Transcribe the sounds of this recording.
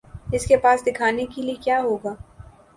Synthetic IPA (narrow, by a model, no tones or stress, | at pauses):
ɪskepaːsd̪ɪkʰaːnekeliekjaːɦoːɡaː